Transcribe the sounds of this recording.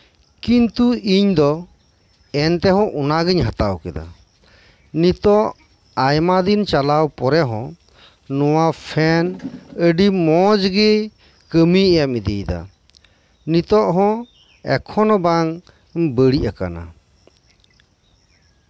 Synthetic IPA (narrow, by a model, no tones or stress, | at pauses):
kint̪uiɲd̪ɔ | ɛnt̪ɛɦɔ̃ʔunaɡəɲɦat̪awkɛd̪a̰ | nit̪ɔʔ | ajmad̪int͡ʃalawpɔɾɛɦɔ̃ | nɔwapʰɛnəɖimɔd͡ʒɡɛ | kəmiɛjamid̪ḭjd̪a̰ | nit̪ɔʔɦɔ̃ | ɛ̰kʰɔnɔbaŋ | bəɽiʔaka̰na̰